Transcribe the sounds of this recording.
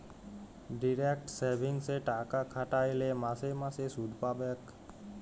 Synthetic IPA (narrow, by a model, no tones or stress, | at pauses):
ɖiɾek̚ʈseɾbʱiŋɡseʈakakʰaʈaelemasemasesud̪ʱpabek